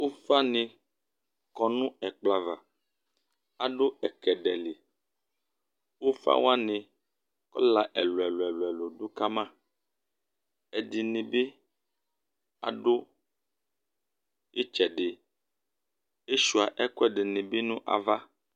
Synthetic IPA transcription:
wo˦fa˦nĩ˨ | kɔ˨nũ˦ɛ˨k͡pla˨va˨ | a˨ɖo˦ɛ˨kɛ˨ɖɛ˨li˨ | wo˦fa̰˦wa˦nĩ˨ | kɔ̰˦la˨ʔɛ̰˨lo˨ɛ˨lo˨ɛ˨lo˨ɛ˨lo˨do˦ka˦mã˦˨ | e˨di˨nĩ˨be˦ | a̰˨ɖo˦ | e˦t͡ʃɛ˨ɖe˨ | e˦ʃu˨a˨ʔɛ˦kɔ˦ɛ˦ɖe˨nĩ˨be˦nũ˦ʔa̰˨va˦

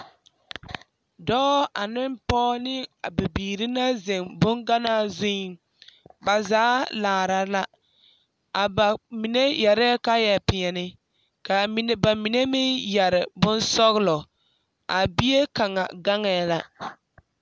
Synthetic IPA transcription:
dɔː˦a˨nɪ˦mpɔː˦nɪ˦a˨bɪ˨biː˨ɾi˦na˦zɪ˨ŋbʊ˦ŋɡa˦naː˦zɪ˦˨ | ba˨zaː˨˦laː˨ɾa˨la˦ | a˨ba˨mi˨ne˦jɛ˨ɾɛː˦ka˦jɛ˨pɪ˨ɛ˨nɪ˦ | ka˨mi˨n˦ba˨mi˨ne˦mɪ˦jɛ˨ɾɪ˨bʊ˦nsɔ˦ɣlɔ˨ | a˨bi˦je˦ka˨ŋa̰˨ɡa˦ŋɛː˨˦˨la˦

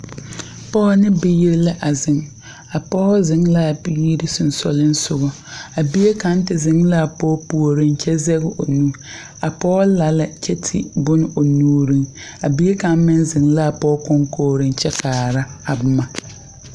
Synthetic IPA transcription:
pɔː˦nɪ˦bɪ˦je˦ɾla˦ʔa˨zɪ˨ŋ | a˨pɔː˦zɪ˨ŋla˦˨bi˦i˦ɾɪ˦sʊ˨n˨sɔ̰˨lɪ˦n˦sʊ˦˨ɣɔ˨ | a˨bi˦e˦ka˨˦n˦tɪ˨zɪ˨ŋla˦˨pɔː˦pu˨o˨ɾɪ˦nt͡ʃɛ˦zɛ˦ɣɪ˦ʔo˨nũ˦ | a˨pɔː˦la˨la˨t͡ʃɛ˦tʰɪ̰˨bʊ˦n˦o˨nuː˦ɾi˦ŋa˨bi˦e˦ka˨˦m˦mɪ˦nzɪ˨ŋla˦˨pɔː˦kʊ˦ŋkʰoː˦ɾɪ˦nt͡ʃɛ˦kaː˨ɾa˦a˨bʊ˨ma˨

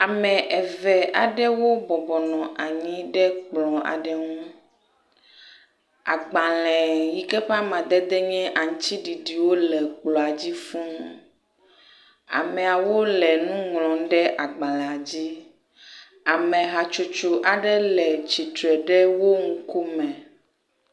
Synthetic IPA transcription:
a˨mɛ̃˨ʔɛ˨vɛ˨a˨ɖɛ˦wo˦bɔ˨bɔ˨nɔ̃˨ʔa˨ɲĩ˦ɖɛ˦k͡plɔ̃˨a̰˨ɖɛ˦ŋũ˦ | a̰˨ɡ͡bã˨lɛ̃˨ji˨kɛ˦ɸa˦mã˨d̪ɛ˦d̪ɛ˦ɲɛ̃˦ʔa˨ŋũ˦t͡ɕi˦ɖi˨ɖi˨wo˦lɛ˨k͡plɔ˨a˨d͡ʑi˦fũ˦nũ˦ | a̰˨mɛ̃˨a˨wo˦lɛ˨nũ˦ŋlɔ̃˨˦ɖɛ˦ʔa˨ɡ͡bã˨lɛ̃˨a˨d͡ʑi˦ | a˨mɛ̃˨ɦa˨t͡ʃu˨t͡ʃu˨ʔa˨ɖɛ˦lɛ˨t͡ɕi˨t̪ɾɛ˨ɖɛ˦wo˦ŋ̩˦ku˦mɛ̃˨

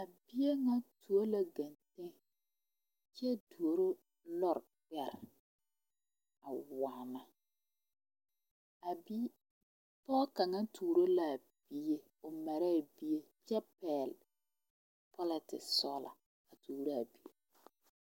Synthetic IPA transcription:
a˨bi˦je˦ŋa˦tʰu˨o˦la˨ɡa˨ntẽ˦ | t͡ʃɛ˦du˨o˨ɾo˦ | lɔ˦ɾ | k͡pɛ˨ɾ | a˨wa˨na˦ | a˨bi˦ | pɔː˦ka˨ŋa˦tʰuː˨ɾo˦la˨ | b̥i˦je˦ | o˨mɛ˨ɾɛ˦˨bi˦je˦ | t͡ʃɛ˦pɛ˨l | pʰɔ˦lɪ˨tɪ̰˨sɔ˦la̰˨ | a˨tʰuː˨ɾo˦a˨bi˦e˦

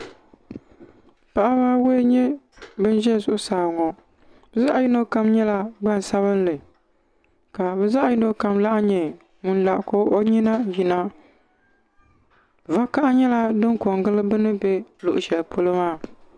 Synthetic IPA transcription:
pa˨ʔa˦ba˦we˦ɲɛ˦ | bɨ˦n˦ʒɛ˦˨zʊ˦ʔʊ˦saː˨ŋɔ˨ | bɛ˨za˦ʔji˦no˦ka˦mɲɛ˦la˦ɡ͡ba˦n˨sa˦βɨ˦n˦lɨ˨ | ka˨bɛ˨za˦ʔji˦no˦ka˨mla˦ʔɲɛ˨ | ŋu˨n˦la˨ʔko˦ʔo˦ɲi˦na˦ji˨na˦ | va˦ka˦ʔɲɛ˦la˦dɨ˦ŋko˨ŋɡɨ˦lɨ˦bɨ˦nɨ˦bɛ˦lʊ˨ʔʊ˨ʃɛ˨lpʰo˦lɨ˦maː˦˨

